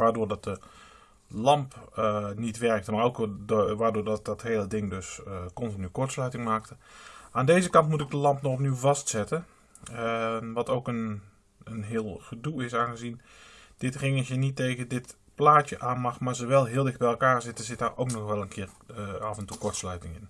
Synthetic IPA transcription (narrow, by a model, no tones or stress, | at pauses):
ʋaːrdoːrdɔt̚də | lɑmpnitʋɛrk̚təmaːrowkʋaːdoːrdɔt̚ɔtheːlədɪŋdøsəkɔntinykɔɹtslœɥtɪŋmaːk̚təʔaːndeːzəkɑntmutɪk̚dəlɑmpnɔxɔpnywvɑstsɛtə | ʋɔtoːkən | ənɦɪəlˠɣəduɪsaːnɣəzin | d̥ɪtrɪŋəsjənitːeːɣədɪt | plaːtjəʔaːnmɑxmaːrzoʋɛlˠɦɪəlˠdɪxt̚bɛjɛlˠkaːrzɪtəzɪtaːrʔoːknɔxʋɛlˠənkʰɪːravəntukɔɹtslœɥtɪŋɪn